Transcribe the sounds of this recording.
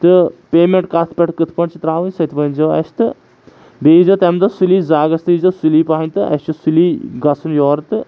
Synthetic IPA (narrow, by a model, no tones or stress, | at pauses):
t̪ɨpeːmeɳʈkɐt̪ʰpʲeʈkɨt̪ʰpɐɳt͡ʃʰit̪ɾaːʋɨnʲsɐt̪ʰpɐnʲd͡ʒɐʋɐ̰st̪ɨ | beːzɐt̪emd̪ɨsuliːzaːɡɐst̪ɨizɨsuliːpaːɐnʲt̪ɨɐ̰st͡ʃusuliːɡɐsʰunjoːɾɐt̪ɨ